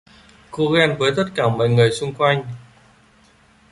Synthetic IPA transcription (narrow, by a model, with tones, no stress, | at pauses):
ko˧ɣɛ˧nvəː˨˦jt̪ə˦˥t̚kaː˧˩mɔ̰˧˨jŋɨ˨˩əjsʊ˧ŋ͡mkwa˧jŋ̟